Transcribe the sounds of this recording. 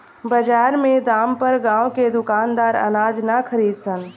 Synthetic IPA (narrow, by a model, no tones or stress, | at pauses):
bəd͡ʒaːɾmed̪aːmpəɾɡãwked̪ʊkaːnd̪aːɾə̰naːd͡ʒnakʰəɾiːd̪sən